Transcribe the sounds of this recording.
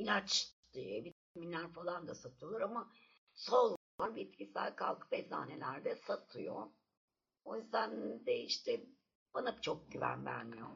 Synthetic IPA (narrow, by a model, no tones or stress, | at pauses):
ilʲat͡ʃd̪̥iɛbit̪minlːʲæɾfalˠand̪asat̪ʰɯjo̞lˠaɾama | solˠ | aɾbit̪cʰisæ̰lʲkʰa̰lˠkʰɯ̥bɛza̰ːnelʲæɾd̪ɛsat̪ʰɯjo̰ | ojyzd̪ænd̪ɛiʃt̪ʰɛ | banɯpt͡ʃʰo̞k̚ɟyvæ̰nbæ̰ɾnio